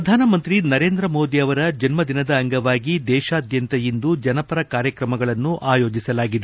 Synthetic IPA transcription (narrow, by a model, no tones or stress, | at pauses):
ɾɐd̪ʱaːnɐmɐnt̪ɾinɐɾe̞ːnd̪ɾɐmo̞ːd̪iɐʋɐɾɐd͡ʒɐnmɐd̪inɐd̪ɐːŋɡɐʋaːɡid̪ɛːʃaːd̪ʱjɐnt̪ɐjind̪ud͡ʒɐnɐpɐɾɐkaːɾjɐkɾɐmɐɡɐɭɐnːuʔaːjo̞ːd͡ʒisɐlaːɡid̪e